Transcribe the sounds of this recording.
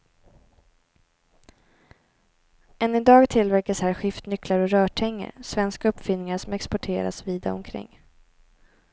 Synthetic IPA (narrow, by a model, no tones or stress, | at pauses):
ɛnːɪd̪ɑːɡt̪ʰɪlvæɾkashæːɾɧɪft̪nʏklaɾɔɾœːʈʰɛŋːə̰ɾsvɛnskaɵpːfʏnːɪŋaʂɔmɛkspɔʈʰeːɾa̰sviːd̪a̰ɔ̰mkʰɾɪ̰ŋː